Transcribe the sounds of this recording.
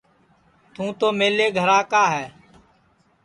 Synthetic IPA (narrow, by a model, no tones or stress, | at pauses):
t̪ũːt̪oːmeːleːɡʱəɾaːkaːɦɛː